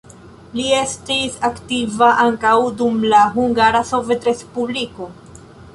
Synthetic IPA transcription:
lie̞stisaktivaʔaŋkawdumlaɦuŋɡaɾaso̞ve̞tɾe̞spubliko̞

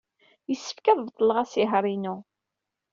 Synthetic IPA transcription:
jəsːə̥fkæðˤvt̪ˤːlːʁæsiɦɾˤinu

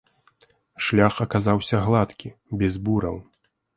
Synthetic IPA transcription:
ʂlʲaxɐkazawsʲɐɣlˠat̪kʲibʲɛzbuɾɐ̰w

